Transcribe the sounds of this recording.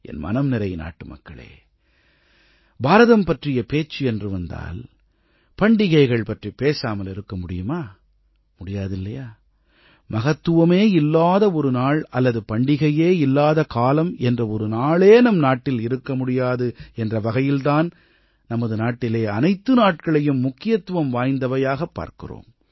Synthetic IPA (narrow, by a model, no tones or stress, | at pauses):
ʔɛ̰nmɐ̰nɐmnɪɾɐɪna̰ːʈːɯmɐ̰kːɐɭḛː | baːɾɐðɐmpɐʈrɪjɐpeːt͡ʃːɯɛndrɯʋɐnd̪a̰ːl | pɐɳɖɪɣɐɪɣɐɭpɐʈripeːsaːmɐlɪɾɯkːɐmʊɽɪjɯmaː | mʊɽɪjaːðɪlːɐjaː | mɐɣɐt̪ːɯʋɐmeːɪlːaːðɐɔɾɯnaːɭɐlːɐðɯpɐɳɖɪɣɐjeːɪlːaːðɐkaːlɐmɛndrɐɔɾɯnaːɭeːnɐmnaːʈːɪlɪɾɯkːɐmʊɽɪjaːðɯɛndrɐʋɐɣɐjɪlt̪aːn | nɐmɐðɯnaːʈːɪleːɐnɐɪt̪ːɯnaːʈ̚kɐɭɐjɯmːʊkːɪjɐt̪ːɯʋɐmʋaːjnd̪ɐʋɐjaːɣɐpːa̰ːɾkɪ̰ro̰ːm